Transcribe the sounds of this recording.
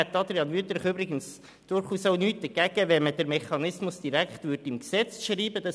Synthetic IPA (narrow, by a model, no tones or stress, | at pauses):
æt̪ːɑd̪ɾiɑnʋyːt̪ɾɪχøbɾɪɡəns | d̥ʊɾχuːsoʊnyːt̚d̥̪əɡ̥æɡ̥əʋɛməd̥əɾmɛχɑnɪsmʊsd̥iɾækχtʋʏdimksɛt͡sʃriːbəd̥ɑ